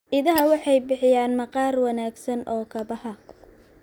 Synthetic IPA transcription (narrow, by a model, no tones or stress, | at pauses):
ʔɪðɐɦɐwɑħɑjbɪħɪjaːnmɐqɑːrwɑnaːɡsɐnɔːkʰɐbɐhɐ